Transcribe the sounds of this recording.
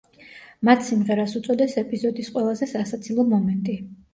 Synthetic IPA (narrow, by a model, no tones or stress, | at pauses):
mat̪ʰsimʁɛɾasut̪sʼɔd̪ɛsɛpʼizɔd̪isqʼwɛlˠazɛsasat̪sʰilˠɔmɔmɛnt̪ʼi